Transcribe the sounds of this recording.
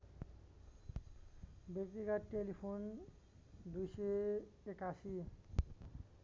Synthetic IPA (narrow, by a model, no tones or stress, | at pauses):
bekt̪iɡaʈelipʰon | d̪ujseekasi